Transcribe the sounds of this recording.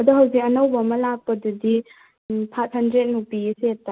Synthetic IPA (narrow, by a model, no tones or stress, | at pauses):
ɐduɦɐwzik̚ɐnɐwbɐmɐlak̚pɐdudi | pʰat̚hɐndɾet̚nupiesettːa